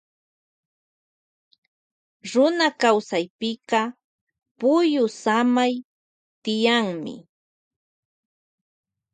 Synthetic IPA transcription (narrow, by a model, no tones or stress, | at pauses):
ɾʊnakawsajpɪqɑ | pʊjʊsamaj | t̪ɪjaŋmɪ̰